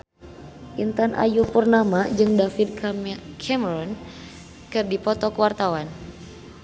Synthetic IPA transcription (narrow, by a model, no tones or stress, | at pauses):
ʔint̪anʔa̰jupərnamad͡ʒɨŋdafid̪̚kʰɛmɾɔn | kɨrdipɔt̪ɔkəwart̪awan